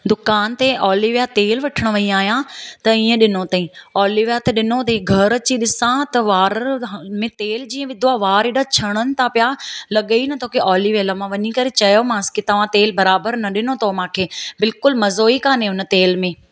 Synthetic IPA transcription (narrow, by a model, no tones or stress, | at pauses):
d̪ʊkaːnt̪eʔɔːliʋijat̪eːlʋɐʈʰəɽ̃ʋɐiaːɦijãt̪ɐiːə̃ɗɪnot̪ɐĩɔːliʋjat̪ɐɗɪnot̪ɐĩɡʱɐɾɐt͡ɕiɗɪsãt̪ɐʋaːɾmẽt̪eːld͡ʑĩːə̃ʋɪd̪ʱoaːʋaːɾiɖat͡ɕʰɐɽ̃ənɪ̆t̪ʰãpɪjalɐɠəinɐt̪ʰoːkeɔːliʋeːlamãʋɐɲikɐɾet͡ɕɐjomãːskit̪ɐʋ̤ãt̪eːlbɐɾaːbəɾnɐɗɪnot̪ʰomãːkʰeːbɪlkʊlmɐzoːikaːnẽʊn̆t̪eːlmẽː